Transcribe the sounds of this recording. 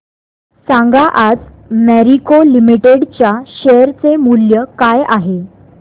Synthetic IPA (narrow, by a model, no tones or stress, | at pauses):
sãŋɡaʔad͡z | mæɾikolimiʈeɽt͡ɕjaɕejəɾt͡semuljəkajaɦe